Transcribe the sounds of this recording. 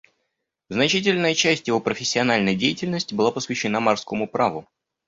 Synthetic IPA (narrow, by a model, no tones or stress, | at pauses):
znɐt͡ɕitʲɪlʲnəjət͡ɕæsʲtʲjɪvo̞pɾəfʲɪsʲːɪɐnalʲnəjdʲejɪtʲɪlʲnəsʲtʲɪbɨlˠapəsvʲɪɕːɪnamɐrskomʊpɾavʊ